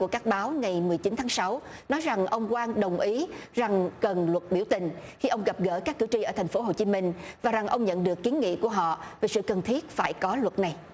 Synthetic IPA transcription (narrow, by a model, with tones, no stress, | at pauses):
ku˧˩əkaː˦˥k̚ɓaː˨˦wŋa˨˩jmɨ˨˩əjt͡ɕi˨˦nt̪ʰaː˨˦ŋsa˨˦w | nɔ˨˦jza˨˩ŋʔə˧wŋ͡mkwaː˧ŋɗə˨˩wŋ͡mʔi˨˦za˨˩ŋkə˨˩nlwə˨˩t̚ɓi˧˩əwt̪ï˨˩ŋ̟ | xi˧ʔə˧wŋ͡mɣa˨˩p̚ɣə̰ː˧˩kaː˦˥kːɨ̰˧˩t͡ɕi˧ʔəː˧˩t̪ʰa˨˩jŋ̟fo˨˦ɦo˨˩t͡ɕi˨˦mï˧˩ŋ̟vaː˨˩za˨˩ŋʔə˧wŋ͡mɲə̰˧˨nɗɨ˨˩əkːi˨˦ənŋḭ˧˨ku˧˩əɦɔ̰˧˨ve˨˩sɨ̰˧˨kə˨˩nt̪ʰi˦˥ət̚faː˧˩jkɔ˨˦lwə˨˩t̚na˨˩j